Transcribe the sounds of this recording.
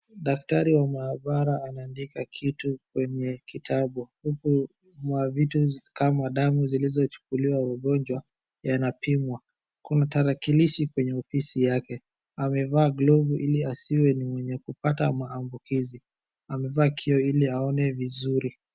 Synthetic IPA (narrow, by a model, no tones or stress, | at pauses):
ɗaktaɾiwamaːɓaɾaːnaːndikakʰitukwɛɲɛkitʰaɓuhuku | mwavitukamaɗamuzilizɔt͡ʃu̥kuliwawaɠɔnd͡ʒwa | janapimwa | kunataɾakiliʃikwɛɲɛɔfisijakɛ | amɛvaːɡlɔvuʔiliasiwɛnimwɛɲɛkupata̰maːmbukʰizi | amɛvaːkʰiɔiliaɔnɛvizuɾi